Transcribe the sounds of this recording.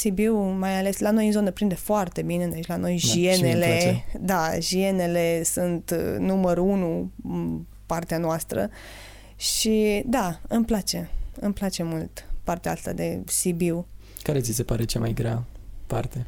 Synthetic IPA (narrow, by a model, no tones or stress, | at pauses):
sibiwmajale̞slano̞jizo̞nepɾind̪e̞foart̪e̞bined̪et͡ʃʲlano̞jʒieneleed̪aʒie̞ne̞le̞sunt̪numəɾunu | part̪eanoast̪ɾə̰ | ʃid̪aɨmplat͡ʃe̞ɨmplat͡ʃe̞mult̪part̪eaast̪a̰d̪e̞̰sibiw | kaɾet̪sise̞paɾe̞t͡ʃemajɡɾea̰part̪e